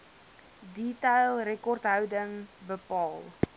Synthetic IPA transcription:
ditɛjlˠrekɔrtɦœwdəŋbəpɑːlˠ

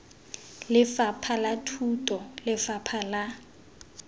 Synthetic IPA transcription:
lɪfapʰalatʰutʼɔlɪfapʰala

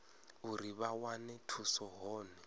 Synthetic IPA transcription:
uɾiβawanɛtʰusɔɦɔːnɛ

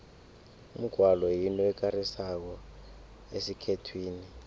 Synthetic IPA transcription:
um̩ɡ̥ʱwalɔjinɔwɛk̬arisak̬ɔ | esikʰetʰwiːni

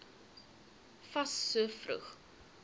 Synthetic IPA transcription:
fɐsːuəfrṵχ

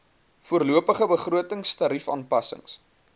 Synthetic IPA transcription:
fuərluəpəχəbəχruətəŋstɐɾifɑ̰ːnpɐsə̰ŋs

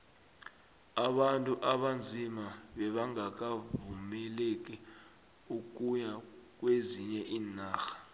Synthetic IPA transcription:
aɓantʼuʔaɓand͡zʱimaɓɛɓaŋak̬avumɛlek̬ʼi | uk̬ʼujak̬weziɲɛʔiːnaːxḁ

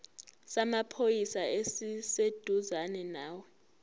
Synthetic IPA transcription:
samapʰojisaesised̥ʱuzanɛnaːwɛ

